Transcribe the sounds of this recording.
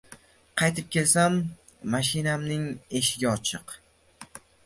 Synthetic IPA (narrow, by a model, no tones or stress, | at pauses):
qʰɑjt̪ʰɪp̚kʲe̞lsamː | aʃɪnamnɪŋe̞ʃɪɡʲaɒt͡ʃʰɪq